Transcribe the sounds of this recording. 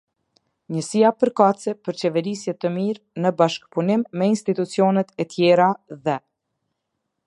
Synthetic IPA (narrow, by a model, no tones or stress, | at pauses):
ɲəsiapəɾkat͡sɛpəɾt͡ɕɛvɛɾisjɛt̪əmiɾ | nəbaʃkpunimːɛinst̪it̪ut͡siɔnɛt̪ɛt̪jɛɾaðɛ